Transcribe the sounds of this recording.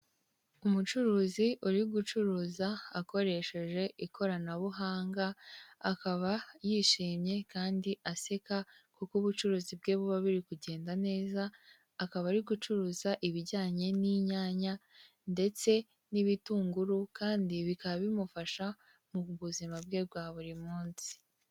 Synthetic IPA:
umut͡ʃuɾuːziuɾiɡut͡ʃuɾuːzaːko̞ɾe̞ʃe̞ʒe̞ʔikʰo̞ɾanaβuɦaːŋɡaːkaβajiʃiːmɲe̞kaːndiʔase̞kakukuβut͡ʃuɾuːzib̚ɡe̞ːβuβaβiɾikuɟe̞ːndane̞ːzaː | kaβaɾiɡut͡ʃuɾuːzaʔiβiɟaːɲe̞niɲaːɲa | nde̞t͡se̞ | niβituːŋɡuɾukaːndiβikaβaβimufaʃa | muβuzimab̚ɡe̞ːbɡwaːβuɾimuːnsi̥

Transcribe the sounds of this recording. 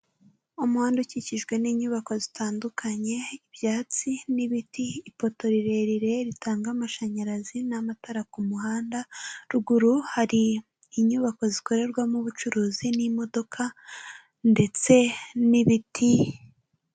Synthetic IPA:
umuhaːnduciciʒɡwe̞niːɲuːβako̞zitʰaːndukʰaɲe̞iβjaːt͡siniβitiːpo̞to̞ɾiɾe̞ɾiɾe̞ɾitʰaːŋɡamaʃaɲaɾazinamataɾakumuhaːndaɾuɡuɾuhaɾiː | ɲuːβako̞ziko̞ɾe̞ɾɡwamuβut͡ʃuɾuːzinimo̞do̞kʰa | nde̞t͡se̞niβitʰi

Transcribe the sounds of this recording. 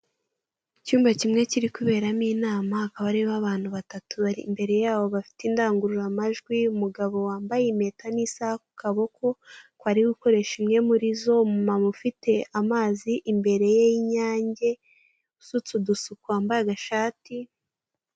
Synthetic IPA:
icuːmvacimŋe̞ciɾikuβe̞ːɾamiːnaːmahakaβaɾiβaβaːn̥huβatatuβaɾḭmbe̞ɾe̞jaːβo̞βafi̥tindaːŋɡuɾuɾamaʒɡwiumuɡaβo̞waːmbajeme̞ːtanisahaku̥kʰaβo̞ko̞kwaɾiɡuko̞ɾe̞ʃimŋe̞muɾizo̞mumamufite̞amaːziʔimbe̞ɾe̞jejiɲaːɲɟe̞ | usut͡sudusukuaːmbajaɡaʃaːti

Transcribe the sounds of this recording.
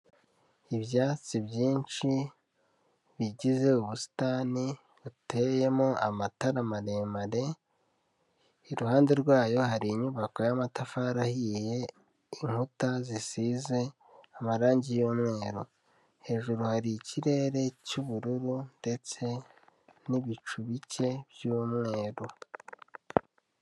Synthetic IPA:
iβjaːt͡sibjiːnt͡ʃi | βiɟize̞uβusi̥tani | ute̞je̞moʔamataɾamaɾe̞ːmaɾe̞ | iɾuɦaːnde̞ɾɡwaːjo̞haɾiːɲuβako̞jamatafaɾahije̞ | iŋhutazisize̞ | amaɾaːɲɟijomŋe̞ːɾo | he̞ːʒuɾuhaɾiciɾe̞ɾe̞cuβuɾuɾunde̞t͡se̞ | niβit͡ʃuβice̞bjuːmŋe̞ːɾo

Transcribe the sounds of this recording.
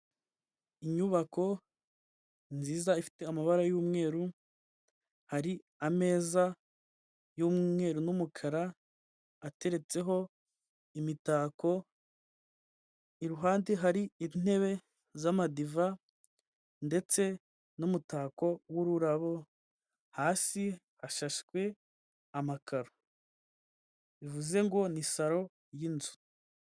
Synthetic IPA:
iɲuβako̞ | nziːzaifi̥te̞amaβaɾajuːmŋe̞ːɾu | haɾi | ame̞ːza | juːmŋe̞ːɾunumukʰaɾaː | te̞ɾe̞t͡se̞ɦo̞ | imitaːko̞ | iɾuɦaːndiɦaɾiin̥e̞βe̞ | zamadiva | nde̞t͡se̞ | numutaːko̞wuɾuɾaβo̞ | haːsi | haʃaʃkwe̞ | amakʰaɾo | βivuze̞ŋɡo̞nisaɾo̞ | jinzu

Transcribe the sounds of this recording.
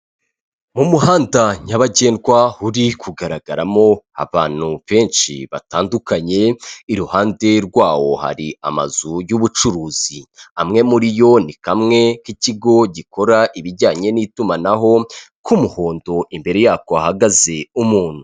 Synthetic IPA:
mumuhaːndaɲaβaɟe̞ːndɡwahuɾikʰuɡaɾaɡaɾamo̞a̰βaːn̥huβe̞ːnʃḭβataːndukaɲe̞iɾuhaːnde̞ɾɡwaːwo̞ha̰ɾiʔama̰zujuβut͡ʃuɾuːz̥iamŋe̞muɾijo̞nikamŋe̞kiciɡo̞ɟikʰo̞ɾaʔiβiɾɟaːɲe̞nitumanaɦo̞ | kumuho̞ːndo̞ʔimbe̞ɾe̞jaːkoahaɡaze̞umuːn̥hu

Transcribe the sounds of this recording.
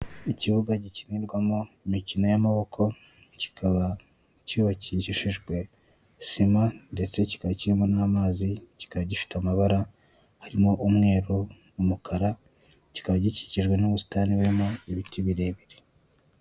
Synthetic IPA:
iciβuɡaɟiciniɾɡwamoimicinojamaβo̞kʰo̞ | ci̥kʰaβa | cuβaciʃiʃiʒɡwe̞ | simande̞t͡se̞ci̥kaβaciɾimonaːmaːzici̥kaβaɟifi̥tamaβaɾa | haɾimo̞ʔumŋe̞ːɾuː | mukʰaɾa | ci̥kaβaɟici̥ciʒɡwe̞noβusu̥taːniweɾimoiβitiβiɾeβiɾi̥

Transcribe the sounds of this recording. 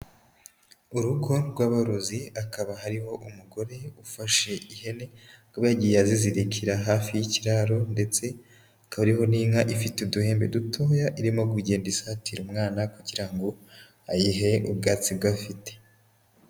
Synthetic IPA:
uɾuɡoɾwaːβaɾoziakaβaɦaɾiho̞ʔumuɡo̞ɾe̞ufaʃe̞ihe̞ne̞koβjaːɟijaziziɾikʰiɾaɦaːfijiciɾaɾo̞nde̞t͡se̞ | akaβaɾiho̞niŋaʔifiteuduhe̞ːmbe̞dutʰo̞ːjaʔiɾimo̞ɡwiɟe̞ːndisatiɾumŋaːnakuɟiɾaŋɡo̞ | ajiɦeʔub̚ɡaːt͡sibɡafite̥

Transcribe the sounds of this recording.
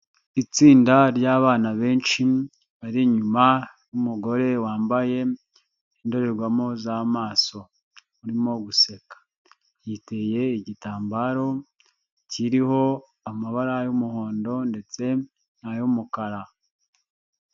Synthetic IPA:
it͡siːndaɾjaːβaːnaβe̞ːnʃi | βaɾiɲumajumuɡo̞ɾe̞waːmbaje̞ | indoɾeɾɡwamozamaːso̞ | uɾimo̞ɡuse̞kḁ | jite̞je̞iɟitaːmbaɾo̞ | ciɾiho̞ | amaβaɾajumuho̞ːndo̞nde̞t͡se̞ | najumukaɾa

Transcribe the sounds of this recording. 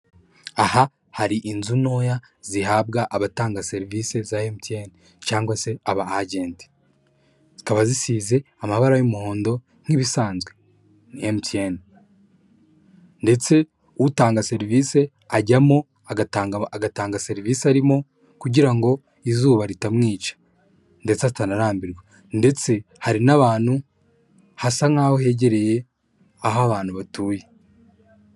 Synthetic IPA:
aha | haɾiʔinzuno̞ːja | zihaːb̚ɡaʔaβataːŋɡase̞ɾiviːse̞zahemiteːne | caːŋɡwase̞aβaaɟe̞ːnti̥ | z̥ikaβazisiːze̞ | amaβaɾajumuhoːndo̞ | ŋ̥iβisaːnzɡwe̞ | nijemutieːne | nde̞t͡se̞ | uutaːŋɡase̞ɾiviːse̞ | aɟamo̞ | aɡataŋɡaɡataːŋɡase̞ɾiviːsaɾimo̞ | kuɟiɾaŋɡo̞ | izuːβaɾitamŋiːt͡ʃḁ | nde̞t͡sazitanaɾaːmbiɾɡwa | nde̞t͡se̞ | haɾinaβaːn̥hu | hasaŋ̥aːhoɦe̞ːɟe̞ɾe̞je̞ | aɦaβaːn̥huβatuːje

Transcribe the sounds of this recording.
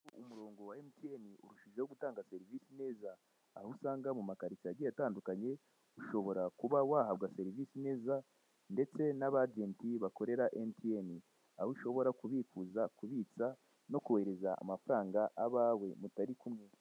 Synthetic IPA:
umuɾo̞ːŋɡo̞waemitieniuɾuʃiʒeoɡutaːŋɡase̞ɾiviːsine̞ːzaː | husaːŋɡamumakaɾisiaɟejataːndukaɲe̞ | uʃo̞βo̞ɾakuβawahaβɡase̞ɾiviːsine̞ːza | nde̞t͡se̞naβad͡ʒeːntiβako̞ɾe̞ɾaʔemitieni | ahuʃo̞βo̞ɾakuβikuzakuβit͡sa | no̞kuwe̞ɾe̞zaa̰mafuɾaːŋɡaʔaβaːwe̞mutaɾikumŋe

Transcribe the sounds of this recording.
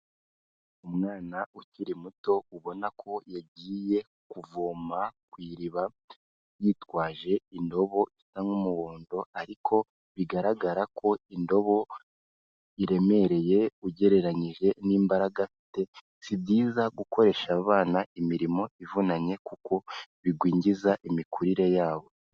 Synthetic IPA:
umŋaːnauciɾimuto̞uβo̞nakʰo̞jaɟiːje̞ | kuvoːmakwiːɾiβa | jiːtwaːʒe̞indo̞βo̞ʔisaŋɡumuwoːndo̞aɾikʰo̞ | βiɡaɾaɡaɾakʰo̞indo̞βo̞ | iɾe̞me̞ɾe̞je̞uɟe̞ɾe̞ɾaɲiʒe̞niːmbaɾaɡafi̥te̞ | sibɟiːzaɡuko̞ɾe̞ʃaβaːnaʔimiɾimo̞ivunaɲe̞kuko̞βiɡwiːɲɟizaʔimikuɾiɾe̞jaːβo̞

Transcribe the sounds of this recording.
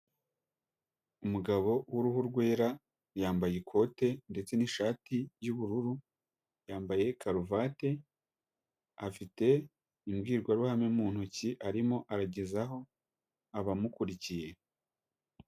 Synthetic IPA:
umuɡaβo̞wuɾuhuɾɡwe̞ːɾa | jaːmbaje̞kʰo̞te̞nde̞t͡se̞niʃaːtijuβuɾuɾu | jaːmbaje̞kʰaɾuvate̞ | afite̞ | imɡiːɾɡwaɾuhamemuːn̥huciʔaɾimo̞ʔaɾaɟe̞zaɦo̞ | aβamukuɾicije̞

